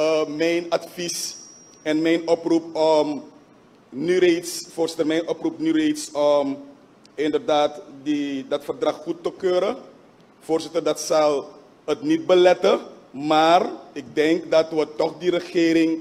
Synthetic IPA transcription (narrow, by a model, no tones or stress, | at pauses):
mɛjnɑtfis | ɛnmɛjnʔɔprupɔm | nyretsfoːrsɪtərmɛjnʔɔprupnyretsɔm | ɪndərdaːtdidɑtfərdrɑχχutːəkøːɾə | foːɹsɪtərdɑtsɑlˠ | ətnit̚bəlɛtəmaːrɪk̚dɛŋkdɑtʋətɔχdiɾəχeːɾɪŋ